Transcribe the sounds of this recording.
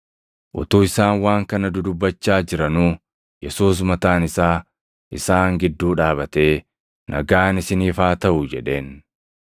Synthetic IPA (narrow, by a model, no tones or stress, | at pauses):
ʔʊ̰t̪uːɪsaːnwaːŋkɐnɐd̪ʊd̪ʊbːɐt͡ʃːaːd͡ʒɪɾɐnuː | jɛsuːs̬mɐt̪aːnɪsaː | ʔɪsaːŋɡɪd̪ːuːᶑaːbɐt̪e̞ː | nʔɐ̰ɡaːnɪsɪniːfaːt̪ɐʔʊd͡ʒɛᶑe̞ːn